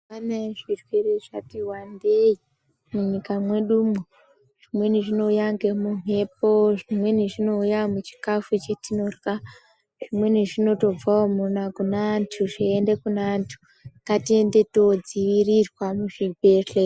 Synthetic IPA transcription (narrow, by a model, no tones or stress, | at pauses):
anaʐirwereʐatiwandei | muɲikamwe̞ɗumu | ʐ̥imwe̞niʐino̞ujaŋɡemune̞p̚oʐimwe̞niʐino̞ujamut͡ʃi̥kafut͡ʃetino̞rka | ʐ̥imwe̞niʐino̞to̞b͡vaomunakunaːntʰuʐiende̞kunaːntʰu̥ | katiende̞to̞d͡ziʋirirwamuʐibʱeɬe